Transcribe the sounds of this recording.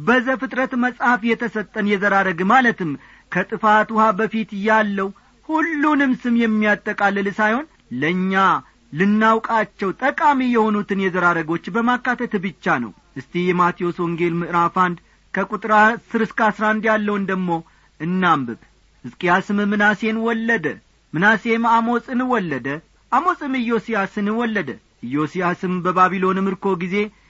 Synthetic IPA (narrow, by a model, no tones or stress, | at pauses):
bəzəfɨt̪ʼɾət̪məsʼhafjɛt̪ʰəsət̪ʼːənjɛzəɾaɾəɡɨmalət̪ɨm | kʰət̪ʼɨfat̪ʊhabəfit̪ɨjːalːəw | hulːunɨmsɨmjɛmːijat̪ʼːəkʼalːɨlsajho̞n | ləɲːa | lɨnːawkʼat͡ʃːɛwt̪ʼəkʼamijɛho̞nut̪ɨnjɛzəɾaɾəɡo̞t͡ʃːbəmakːat̪ʰət̪bɨt͡ʃːanə̰w | ʔɨst̪ʰihjɛmat̪ʰio̞swɔŋɡe̞lmɨʔɾafand̪ | kʰəkʼut̪ʼɾasɨɾɨskasɾand̪jalːəwɨnd̪əɡmo̞ | ʔɨnːambɨβ | ɨzkʼijasɨmɨmɨnase̞nwɔlːəd̪ə | mɨnase̞mamo̞sʼɨnwɔlːəd̪ə | ʔamo̞sʼɨmɨjːo̞sijasɨnɨwɔlːəd̪ə̰ | ʔɨjːo̞sijasɨmbəbaβilo̞nmɨɾko̞ɡize̞